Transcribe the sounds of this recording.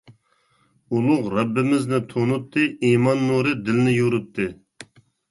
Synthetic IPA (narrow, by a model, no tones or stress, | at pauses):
ulˠʊqɾɛbːɪmɪznɪt̪ʰonut̪ʰːɨʔiːmɑnːuɾɨd̪ɪlnɪjuɾut̪ʰːɨ